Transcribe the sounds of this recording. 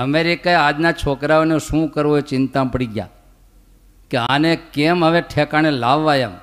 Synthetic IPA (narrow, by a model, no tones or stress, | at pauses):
əmeɾikaead͡ʒnat͡ʃʰokɾaoneʃũkəɾʋoet͡ʃɪnt̪ãpəɽiɡja̰ | keanekɛmɦəʋeʈʰɛkañelaʋːajam